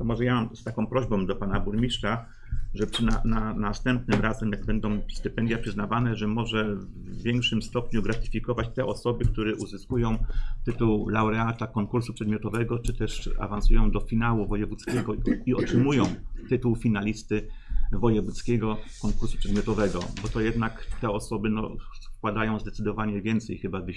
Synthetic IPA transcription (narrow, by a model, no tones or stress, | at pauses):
t̪ɔmɔʐɛjamamst̪akɔ̃w̃pɾɔʑbɔ̃w̃d̪ɔpanabuɾmʲiʂt͡ʂa | ʐɛpʂɘnananast̪ɛmp̚nɘmɾazɛmjaɡ̚bɛnd̪ɔ̃w̃st̪ɘpɛnd̪jɛpʂɘznavanɛʐɛmɔʐɛvːʲ | jɛŋkʂɘmst̪ɔpɲuɡɾat̪ɘ̥fʲikɔvat͡ɕt̪ɛʔɔsɔbɘkt̪uɾɛʔuzɘskujɔ̃w̃t̪ɘt̪uwlawɾɛat̪akɔŋkuɾsupʂɛd̪mʲjɔt̪ɔvɛɡɔt͡ʂɘt̪ɛʂa̰vansujɔ̃w̃d̪ɔfʲinawuvɔjɛvut̪skʲɛɡɔiɔtʂɘmujɔ̃w̃t̪ɘt̪uwfʲinalʲist̪ɘvɔjɛvut̪skʲeɡɔkɔŋkuɾsupʂɛd̪mʲjɔt̪ɔvɛɡɔ̰bɔt̪ɔjɛd̪nakt̪ɛɔsɔbɘnɔ̰skwad̪ajɔ̃zd̪ɛt̪sɘd̪ɔvaɲɛvʲjɛnt̪sɛjxɘbavɘ